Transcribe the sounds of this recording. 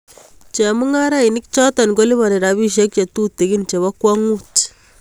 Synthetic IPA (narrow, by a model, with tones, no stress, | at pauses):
t͡ʃe˨mu˦ŋa˦ɾa˦i˨ni˦kt͡ʃɔ˦ta˨nko˦li˦βa˨ne˨ɾa˨βi˦ʃ̬e˦k̚t͡ʃa˨tu˦tːe˨ki˦nt͡ʃe˨βa˦kwa˦ŋu˦t